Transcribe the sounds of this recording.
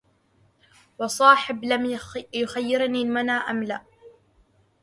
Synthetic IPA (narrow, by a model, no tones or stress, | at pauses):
wɑsˤɑːħɪblamjʊxajːɪɾniːlmanaːʔamlaː